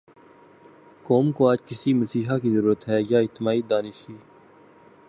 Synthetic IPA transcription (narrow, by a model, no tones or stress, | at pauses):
koːmkoaːd͡ʒkɪsiməsiːɦakizəɾuːɾət̪ɦɛːjaːɪt̪ːɪmaːid̪aːnɪʃkiː